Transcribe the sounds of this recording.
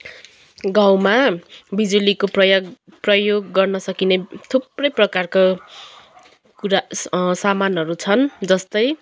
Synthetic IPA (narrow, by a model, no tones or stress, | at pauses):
ɡaw̃mabid͡zulikoʌjɡprʌjoɡːʌrnʌsʌkinet̪ʰuprʌjprʌkarka | kuɾasamanɦʌɾut͡sʰʌnd͡zʌst̪ʌj